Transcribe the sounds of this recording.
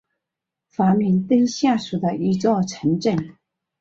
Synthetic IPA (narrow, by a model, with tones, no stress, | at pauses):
fa˧˥mi˧˥nt̪ə˥ŋɕja˥˩ʂu˨˩d̪ə˧˦i˧˥t͡swɔ˥˩ʈ͡ʂʰə˧˥nʈ͡ʂə˥˩ŋ